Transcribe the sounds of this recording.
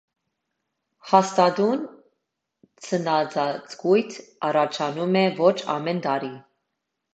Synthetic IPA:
hɑst̪ɑd̪un | t͡sʰənɑt͡sɑt͡sɡujt̪ʰɑɾɑt͡ʃʰɑnumɛvɔt͡ʃʰɑ̰mɛnt̪ɑɾi

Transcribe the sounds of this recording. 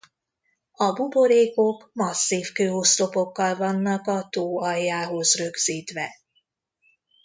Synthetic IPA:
ɒbubo̞ɾeːko̞kmɒsːiːfkøːost̪o̞po̞kːɒlvɒnːɒkɒt̪oːɒjːaːɦo̞zrø̞ɡz̥iːt̪ʋɛ

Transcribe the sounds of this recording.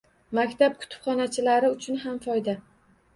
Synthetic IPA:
makʲt̪ʰap̚kʰʊ̥t̪ʰɪ̥pχɒnat͡ʃʰɪlaɾɪʊt͡ʃʰʊnɦamfɒjd̪a

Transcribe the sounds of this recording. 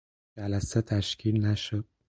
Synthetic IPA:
d͡ʒælæset̪ʰæʃcʰiːlnæʃod̪̥̚

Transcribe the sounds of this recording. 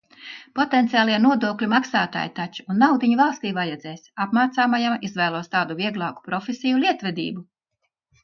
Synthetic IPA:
pɔt̪ɛnt̪sʲiaːlˠiɛnuɔd̪uɔklʲumaksaːt̪a̰ːjt̪at͡ʃu̥unːawd̪iɲuvalˠst̪iːvajɛd̪zɛːsʲapmaːt̪saːmajamizvæːlˠuɔst̪aːd̪uvʲiɛɡlˠaːku̥pɾɔfʲesʲijulʲiɛt̪vɛd̪ḭːbu

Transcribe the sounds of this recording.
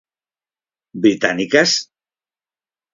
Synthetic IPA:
bɾit̪anikəs

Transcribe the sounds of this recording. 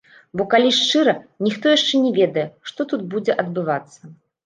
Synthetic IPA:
bɔkalʲiʂt͡ʂɨɾɐnʲixt̪ɔjaʂt͡ʂɛnʲɛvʲɛd̪ɐjɛʂt̪ɔt̪ud̪̚bud͡zʲɛʔɐd̪̚bɨvat̪sːɐ

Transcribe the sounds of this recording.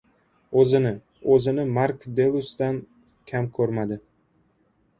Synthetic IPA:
ɵzɪnɪ | ɵzɪnɪmaɾkd̪e̞lˠʊsd̪an | kʲʰamkʰɵɾmad̪ɪ

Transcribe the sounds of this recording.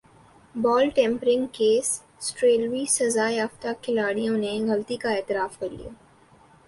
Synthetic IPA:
bɔːlʈɛ̃ːmpɾɪ̃ŋɡkeːs | sʈɾeːlwisɐzaːeɦɐft̪akʰːɪlaːɽijõneɣɐlt̪ikaeːt̪ɪɾaːfkɐɾlḭja̰ː

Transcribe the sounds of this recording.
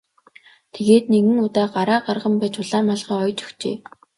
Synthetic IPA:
t̪ʰeɣeːt̪̚neɣɘ̆nʊt̪aːɢaɾaːɢarʁə̆mpæːt͡ɕʊɮaːmaɮʁ̥iːɔjt͡ɕɔ̥xt͡ɕḛː

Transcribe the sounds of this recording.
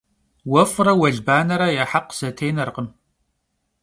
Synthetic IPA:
wɐfrɐwɐɮbaːnɐɾɐjaħaqz̥ɐtʰejnɐrqəm

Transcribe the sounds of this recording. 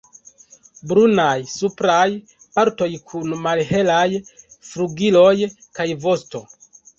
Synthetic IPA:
bɾunajsupɾaj | paɾto̞jkʰunmalɦe̞lajfɾuɡilo̞jkajvo̞sto̞

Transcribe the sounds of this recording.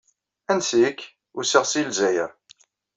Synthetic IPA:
ænsik | ʊsiʁsilzæjəɾ

